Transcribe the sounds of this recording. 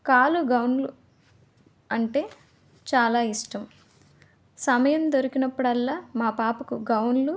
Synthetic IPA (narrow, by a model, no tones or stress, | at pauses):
kaːluɡɐwnlu | ɐɳʈe̞ː | t͡ʃaːlaːiʂʈɐm | sɐmɐjɐmd̪oɾukinɐpːuɽɐlːaːmaːpaːpukuɡɐwnlu